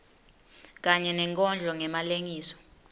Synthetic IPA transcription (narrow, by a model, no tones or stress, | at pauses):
k̬ʼaɲɛnɛŋkʼɔnd͡ɮʱɔŋɛmaleŋiːsɔ̥